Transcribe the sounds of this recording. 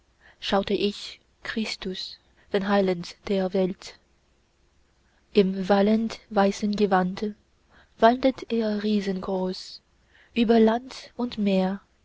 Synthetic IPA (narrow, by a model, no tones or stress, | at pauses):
ʃaʊtəʔɪç | kʁ̥ɪstʊs | d̥eːnɦaɪlandd̥eːɐvɛlt | ʔɪmvaləndvaɪsənɡəvandə | v̥andətʰeːɐʁiːzənɡʁoːs | ʔyːbɐlantʊntmeːɐ